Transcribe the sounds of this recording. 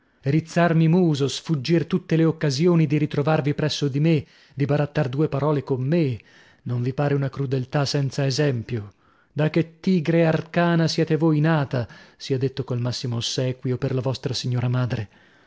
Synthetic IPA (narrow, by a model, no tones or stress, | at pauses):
ɾit̪sːarmimuːzosfud͡ʒːirt̪ut̪ːeleokːazjoːnid̪iɾit̪ɾovarvipɾɛsːod̪ime | d̪ibaɾat̪ːard̪uːepaɾɔːlekomːe | noɱvipaːɾeunakɾud̪elt̪asɛnt̪saezɛmpjo | d̪akːet̪ːiːɡɾearkaːnasjɛːt̪evojnaːt̪asiad̪ːet̪ːokolmasːimosɛːkwiopːerlavɔst̪ɾasiɲːoːɾamaːd̪ɾe